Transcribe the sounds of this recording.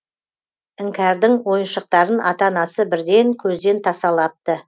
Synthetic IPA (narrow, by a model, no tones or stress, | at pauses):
ɪŋkʲæɾd̪ɪŋwo̞jənʃəq̚t̪ɑɾənʔɑt̪ɑnɑsəbɪɾd̪e̞ŋkʲʰɵzd̪e̞nt̪ʰɑsɑlˠɑp̚t̪ə